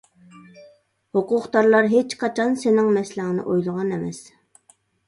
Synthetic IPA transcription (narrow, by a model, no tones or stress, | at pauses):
hoqʊqt̪ɑɾlˠɑɾɦet͡ʃqʰɑt͡ʃʰɑnsenɪŋmɛslæŋnɪ̰ʔojlˠʊʁɑnemɛ̰s